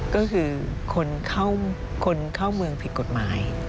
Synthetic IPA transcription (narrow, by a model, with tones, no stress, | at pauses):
kɔː˥˩kʰɯː˧kʰo˧nkʰa˥˩w | kʰo˧nkʰaː˥˩wmɯ˧əŋpʰi˨˩ko˨˩t̪̚maː˩˦j